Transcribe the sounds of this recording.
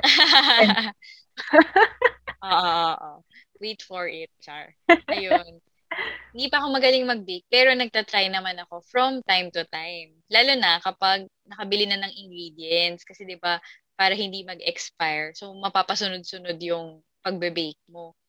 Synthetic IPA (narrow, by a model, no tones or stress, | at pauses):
ʔoːʔoʔʔo̰ | wejt̪fɔɹʔɪt̪̚t͡ʃa | ʔɐjon | hɪnd̪iːpɐɐko̞mɐɡɐlɪŋmɐɡ̚bejk̚pɛːɾo̞nɐɡ̚t̪ɐt̪ɾajnɐmanɐko̞fɹɔmt̪ajmt̪ʊt̪ajm | laːlonɐkɐpaɡ̚nɐkɐbɪlɪnɐnɐŋʔɪŋɡɾiːd̪jɛnt̪skɐsɛd̪ɪba | paːɾɐhɪ̃nd̪imɐɡɛkspajɹsomɐpaːpɐsʊnod̪̚sʊnod̪jʊŋ | pɐɡ̚bɛbejk̚mo